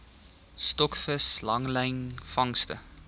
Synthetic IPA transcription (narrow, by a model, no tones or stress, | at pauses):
stɔkfəslɐŋlɛjnfɐŋstə̰